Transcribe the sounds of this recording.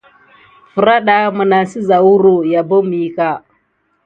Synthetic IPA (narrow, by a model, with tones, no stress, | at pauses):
fə˨ɾa˦ɗa˦mə˨na˨si˦za˨wu˦ɾo˨ja˨bo˦mi˨˦ka˦˨